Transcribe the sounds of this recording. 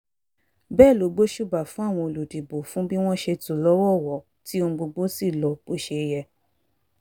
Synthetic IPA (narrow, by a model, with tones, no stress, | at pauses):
bɛː˦˨lo˨˦ɡ͡bo˦ʃu˦˨ba˨fũ˨˦a˦˨w̃ɔ̃˧o˧lu˨di˨bo˨fũ˨˦bi˦w̃ɔ̃˦ʃe˧tũ˨lɔ˦wɔ˦˨wɔ˨ | ti˦o˧ɡ͡bo˧ɡ͡bo˦si˦˨lɔ˨k͡po˦ʃe˧jɛ˧